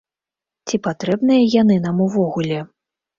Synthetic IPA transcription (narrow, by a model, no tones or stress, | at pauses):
t͡sʲipat̪ɾɛbnɨjɐjanɨn̪amuvɔɣulʲɛ